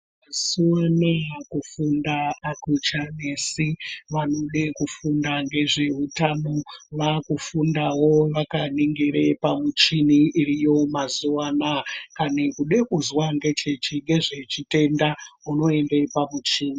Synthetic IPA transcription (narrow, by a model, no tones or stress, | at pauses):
mazuwanakufundaːkut͡ʃane̞siʋano̞ɗekufundaŋɡe̞ʐe̞ɦutanoʋakufundawo̞ʋakaniŋɡeɾepamut͡ʃiniːrijo̞mazuwanakanekuɗe̞kuzwaŋɡe̞t͡ʃe̞t͡ʃiŋɡe̞ʐe̞t͡ʃite̞ndauno̞e̞mde̞pamut͡ʃiːni